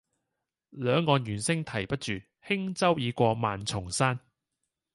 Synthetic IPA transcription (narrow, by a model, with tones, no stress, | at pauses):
lœː˨˧ŋːɔː˨˧njyː˨˩nsɪ˥ŋt̪ʰɐ˨˩jpɐ˥t̚t͡ʃyː˨ | hɪ˥ŋt͡sɐ˥wjiː˨˧kʷɔː˧maː˨nt͡sʰʊ˨˩ŋsaː˥n